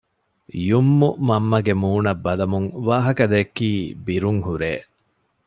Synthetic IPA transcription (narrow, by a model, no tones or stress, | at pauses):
jumːumɐmːɐɡemuːnɐbːɐlɐmuŋʋaːɦɐkɐd̪ekːiːbiɾuŋhuɾeː